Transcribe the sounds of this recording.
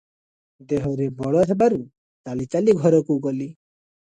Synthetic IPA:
d̪eɦɔɾebɔɭɔɦebaɾu | t̪aɭit͡ʃaliɡʱɔɾɔkuɡɔli

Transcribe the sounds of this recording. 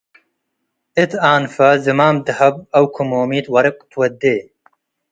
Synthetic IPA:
ɪt̪aːnfɐzɨmaːmd̪ɨhɐbɐwkʰumoːmiːt̪wɐɾɨkʼt̪ʰwɐd̪eː

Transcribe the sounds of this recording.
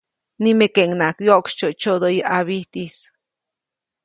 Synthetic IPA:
nimekeʔŋnakjoʔkʃt͡ʃoʔt͡ʃod̪ojəʔaβiht̪is

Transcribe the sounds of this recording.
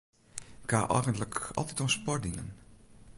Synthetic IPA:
ɪkaʔɔjɣəntləkɑ̰lˠtitɔspɔr̚dinə̰n

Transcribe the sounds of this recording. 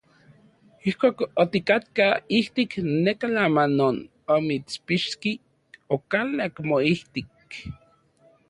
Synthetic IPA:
ihkʷaːkot̪ikat̪kaiht̪iknekalamanon | omit͡spiʃki | okalakmoiht̪ik

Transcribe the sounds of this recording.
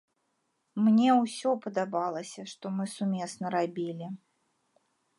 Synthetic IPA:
mnʲɛwsʲɔpəd̪abalˠəsʲɐʂt̪ɔmɨsumʲɛsnɐɾabʲilʲi

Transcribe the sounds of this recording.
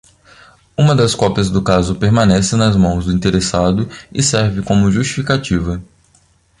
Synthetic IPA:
ũmɐd̪ɐskɔpɐzd̪ʊkazʊpeɾmɐ̃nɛsɪnɐzmɐ̃w̃zd̪ʊĩnt̪eɾesad̪ʊɪsɛɾvɪkõmʊʒust͡ʃi̥fikat͡ʃivɐ

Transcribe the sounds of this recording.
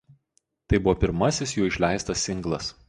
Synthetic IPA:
t̪ɐɪbʊʋɔːpʲɪɾmɐsʲɪsjuːɪʃʲlʲæˑɪst̪ɐsːʲɪŋɡlˠɐs

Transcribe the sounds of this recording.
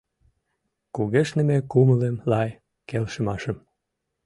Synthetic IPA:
kuɣeʃnə̆mekuməlemlɑj | kelʃə̆mɑʃəm

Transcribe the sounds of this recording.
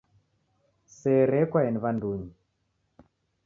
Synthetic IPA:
sɛɾɛkwaɛniβanduːɲi

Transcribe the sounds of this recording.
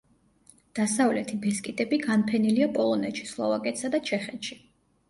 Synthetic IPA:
d̪̥asavlɛt̪ʰibɛskʼit̪ʼɛbiɡanpʰɛniliapʼɔlˠɔnɛt̪ʃi̥slˠɔ̰vakʼɛt̪ʰsad̪at͡ʃʰɛχɛnʃi

